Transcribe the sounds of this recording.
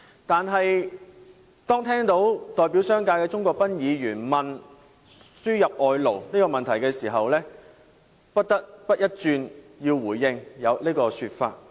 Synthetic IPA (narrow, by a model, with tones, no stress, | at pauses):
t̪aː˨nɦɐ˨j | t̪ɔː˥ŋt̪ʰɛː˥ŋt̪o˨˥wt̪ɔː˨jpi˨˥wsœː˥ŋkaː˧kɛː˧t͡sʊ˥ŋkɔː˧k̚pɐ˥njiː˨˧jyː˨˩nmɐ˨n | syː˥jɐ˨p̚ʔɔː˨˧jlo˨˩wniː˥kɔː˧mɐ˨nt̪ʰɐ˨˩jkɛː˧siː˨˩ɦɐ˨wlɛː˥ | pɐ˥t̚t̪ɐ˥k̚pɐ˥t̚jɐ˥t̚t͡ʃyː˧njiː˧wwuː˨˩jːɪ˧ŋjɐ˨˧wliː˥kɔː˧syː˧t̚fa̰ː˧t̚